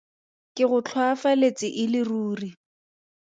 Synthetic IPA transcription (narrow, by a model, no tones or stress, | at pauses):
kʼɪɣʊt͡ɬʰwafalet͡sɪʔɪlɪruːri